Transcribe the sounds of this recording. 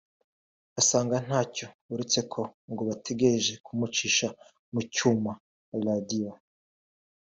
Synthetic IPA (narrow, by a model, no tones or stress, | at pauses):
asaːŋɡan̥haːco̞ | uɾet͡se̞kʰo̞ŋɡoβatʰe̞ɡe̞ɾeʒe̞kumut͡ʃiːʃa | mucuma | ɾadio